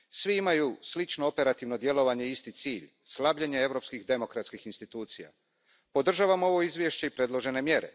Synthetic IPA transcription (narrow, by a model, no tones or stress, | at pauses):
sʋiimajuslit͡ʃnoope̞ɾat̪iʋno̞d̪je̞lo̞ʋaɲeist̪it̪siːʎ | slˠabʎeɲee̞ʋɾo̞pskixd̪e̞mo̞kɾat̪skixinst̪it̪uːt̪sija̰ | po̞d̪r̩ʒaːʋamo̞ʋo̞izʋʲjeʃt͡ɕe̞ipɾe̞d̪lˠo̞ʒe̞ne̞mje̞ɾḛ